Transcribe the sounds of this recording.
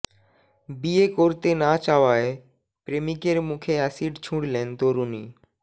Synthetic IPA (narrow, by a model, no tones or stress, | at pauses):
biːekoɾt̪enaːt͡ʃaːʋaːe | pɾeːmikeɾmũːkʰeɛsiːɖt͡ʃʰũːɽlẽːnt̪oːɾunḭː